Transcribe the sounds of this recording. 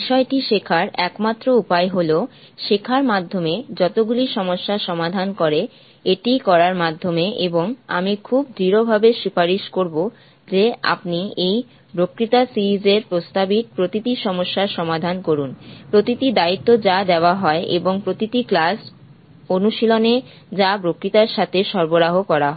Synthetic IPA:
iʃɔeʈiʃekʰaɾɛkmat̪ːɾoupaeɦolo | ʃekʰaɾmad̪ʱːomed͡ʑɔt̪oɡuliʃɔmoʃːaʃɔmad̪ʱankoɾe | eʈikɔɾaɾmad̪ʱːomeʔeboŋa̰mikʰub̚d̪ʱiɾobʱabeʃupaɾiʃkoɾbo | d͡ʑea̰pniej | pɾokɾit̪asiɾid͡ʑeɾpɾost̪abit̪̚pɾot̪it̪iʃɔmoʃːaɾʃɔmad̪ʱankoɾunpɾot̪it̪id̪ait̪ːod͡ʑad̪eoaɦɔeʔeboŋpɾot̪it̪iklas | onuʃilone | d͡ʑapɾokɾit̪aɾʃat̪ʰeʃɔɾboɾaɦokɔɾaɦɔ

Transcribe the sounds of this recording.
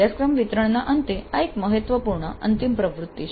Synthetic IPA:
askɾəmʋit̪ɾəɳnaʔənt̪eaekməɦət̪ʋəpuɾɳəə̰nt̪impɾəʋɾut̪ːi

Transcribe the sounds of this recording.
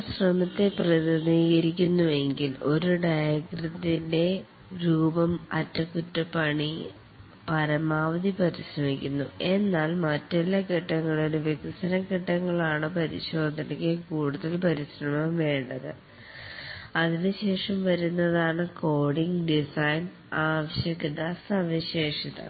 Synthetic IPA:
ɕrɐmɐt̪ːe̞prɐðɐniːɣɐɾikʲːunːue̞ŋɡilo̞ɾuɖɐjɐɡrɐd̪inde̞ | ɾuːbɐmɐtːɐkːutːɐpːɐɳi | pɐɾɐmaːʋɐd̪ipɐɾiɕrɐmikʲːunːue̞nːaːlmɐtːelːɐkiʈːɐŋːɐɭoɾuʋet̪isɐɾɐkiʈːɐŋːɐɭaːɳɨpɐɾiɕo̞ːd̪ʱɐnikːekuːɽuðɐlpɐɾiɕrɐmɐmʋe̞ːɳɖɐðɨ̰ | ɐðinɨɕe̞ːʂɐmʋɐɾunːɐðaːɳɨko̞ːɽiŋɡɖisɐjn | aːʋɐɕjɐkid̪asɐʋiɕeːʂit̪ɐ̰

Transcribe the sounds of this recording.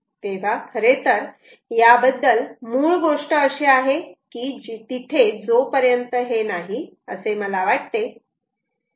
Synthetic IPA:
t̪eʋ̤akʰəɾet̪əɾ | jabəd̪ːəlmuːɭɡoʂʈəəɕeaɦekiːd͡ʑit̪it̪ʰed͡zopəɾjənt̪əɦenaɦi | əseməlaʋaʈ̚t̪e

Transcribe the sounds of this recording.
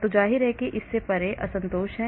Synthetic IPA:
t̪od͡ʒaːɦiɾɦɛkeʔɪsːepɐɾeʔɐ̰sɐ̃nt̪oːʃɦɛ̃

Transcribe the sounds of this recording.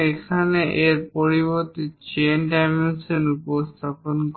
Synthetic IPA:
ekʰaneʔeɾpoɾiβoɾt̪it͡ɕenɖajmensenupost̪ʰaponk

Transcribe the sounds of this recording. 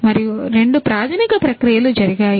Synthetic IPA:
mɐɾijuɾe̞ɳɖupɾaːd̪ʱɐnikɐpɾɐkɾijɐlud͡ʒɐɾiɡaːj

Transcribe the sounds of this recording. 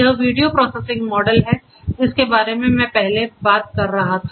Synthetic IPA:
ɐɦəʋiːɖijopɾɔːsesɪ̃ŋɡmɔːɖəlɦɛ | d͡ʒɪskebaːɾemẽmɛ̃ːpɛɦlebaːt̪̚kɐɾːɐɦat̪ʰa

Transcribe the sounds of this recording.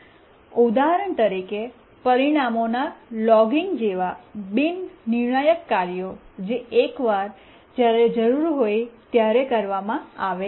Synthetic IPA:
ud̪aɦɾəɳt̪əɾike | pəɾiɽ̃amonalɔɡiŋɡd͡ʒeʋabinnɪɾɳajəkːaɾjod͡ʒeekʋaɾ | d͡ʒjaɾed͡ʒəɾuɾɦojt̪jaɾekəɾʋamãaʋe

